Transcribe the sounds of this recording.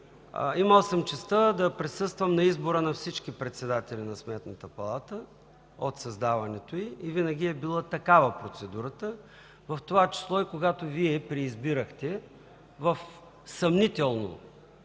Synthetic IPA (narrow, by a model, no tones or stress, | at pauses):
iməlˠsəmt͡ʃɛst̪əd̪ɐpɾisɤst̪vəmnɐizboɾənɐfsit͡ʃkipɾɛt̪sɛd̪at̪ɛlʲinɐsmɛt̪nət̪əpɐlˠat̪ə | ot̪sɐzd̪avɐnɛt̪oiːvinəɡʲiɛbilˠət̪ɐkavəpɾot̪sɛd̪uɾət̪ə | vɐft̪ovat͡ʃi̥slˠɔikoɡat̪oviɛpɾɛːzbiɾəxt̪ɛ | vəf | sɐmnit̪ɛlˠno̰